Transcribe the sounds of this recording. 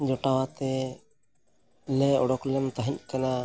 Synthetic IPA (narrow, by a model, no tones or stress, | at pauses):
d͡ʒɔʈawat̪ɛ | lɛɔɽɔklɛmt̪aɦiɲkana